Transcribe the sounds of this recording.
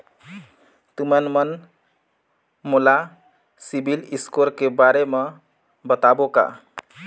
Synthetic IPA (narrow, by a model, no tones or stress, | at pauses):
t̪umənmən | mola | sibʱiliskoɾkebaɾeme | bət̪aboka̰